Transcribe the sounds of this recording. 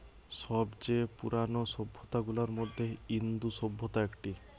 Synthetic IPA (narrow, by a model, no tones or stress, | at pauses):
ʃɔbd͡ʑepuɾanoʃobʱːot̪aɡulaɾmod̪ʱːeind̪uʃobʱːot̪aekʈi